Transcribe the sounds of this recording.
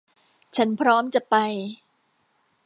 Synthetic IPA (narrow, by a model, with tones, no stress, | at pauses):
t͡ɕʰa˦˥npʰɾɔː˦˥mt͡ɕa˨˩ʔpa˧j